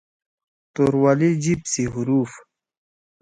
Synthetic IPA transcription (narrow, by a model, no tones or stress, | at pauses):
t̪oɾwalid͡ʑipsiɦuɾuːf